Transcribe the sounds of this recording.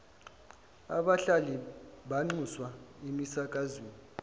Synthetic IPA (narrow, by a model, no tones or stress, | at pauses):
a̰ɓaɬaliɓaŋ͡ǀuswaemisak̬ʼazweːni